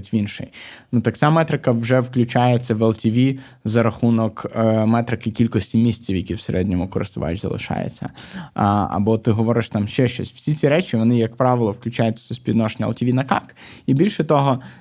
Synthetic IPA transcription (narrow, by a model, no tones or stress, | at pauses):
tʲʋʲinʃɪ̰jnut̪ɐk̚t͡sʲamɛt̪ɾɪkɐʋʒɛwklʲʉt͡ʃajet͡sʲːɐʋɐlˠtʲiʋʲi | zɐɾɐxunɔkmɛt̪ɾɪkɪkʲilʲkɔsʲtʲimʲisʲt͡sʲiwjɐkʲiwseɾʔɛdʲnʲɔmʊkɔɾɪ̰st̪ʊʋa̰jʊt͡ʃʲzɐ̰lˠɪ̰ʃɑ̰jḛt͡sʲːɐ̰ | ɐ̰bɔt̪ɪɦɔʋɔɾɪʃt̪ɑmʃt͡ʃɛʃt͡ʃɔ̰sʲw̥sʲit͡sʲiɾɛt͡ʃʲiʋɔnɪjɐkpɾɑʋɪlˠɔwklʲʉt͡ʃajʊtʲsʲɐsʲpʲid̪nɔʃenʲːɐ̰lˠtʲiʋinɐkɑ̰kibʲilʲʃɛt̪ɔɦɔ